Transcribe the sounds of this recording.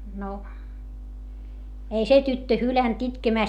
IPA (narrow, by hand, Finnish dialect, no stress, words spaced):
no ei se tytːø hylænt itkemæˑst